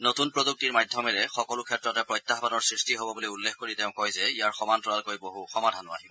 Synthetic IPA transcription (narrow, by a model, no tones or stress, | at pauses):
notunpɹoduk̚tiɹmajdʱjɔmɛlɛxɔkɔlukʰɛtɹɔtɛpɹɔjtːaɦbanɔɹsɹistiɦobɔbulojulːexkoɹitɛʊ̃kɔjzɛijaɹxɔmantɔɹalkojboɦuxɔmadʱanɔa̰ɦibɔ